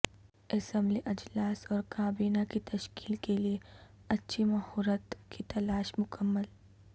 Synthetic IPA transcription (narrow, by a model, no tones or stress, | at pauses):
ɐsə̃mbliʔɐd͡ʒlaːsɔːɾkaːbiːnakit̪ɐʃkiːlkelieɐtːʃʰimɐɦɔːɾət̪kit̪ɐlaːʃmʊkəmːəl